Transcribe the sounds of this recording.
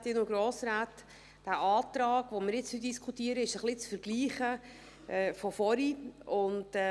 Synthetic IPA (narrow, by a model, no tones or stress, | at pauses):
t̪ɪnoɡɾoːsɾaːt | d̥æʔɑːtɾɑːɡ̥ʋomɪɾjɪt͡syd̥iskʰutiəɾəɪʃəχlɪt͡sfəɾɡ̥liːχə | ʔɛːfɔfɔɾiʊntː